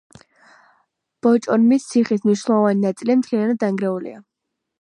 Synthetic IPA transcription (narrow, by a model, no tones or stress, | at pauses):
b̥ɔt͡ʃʼɔnmist̪sʰiχismniʃnɛlˠɔvaninat̪sʼilimt̪ʰliɾanad̪̚aŋɡɾɛulḭa